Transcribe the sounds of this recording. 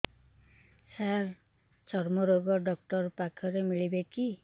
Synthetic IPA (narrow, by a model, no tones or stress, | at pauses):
saɾ | t͡ʃɔɾmɔɾoɡɔɖɔk̚ʈɔɾpakʰɔɾemiɭibeki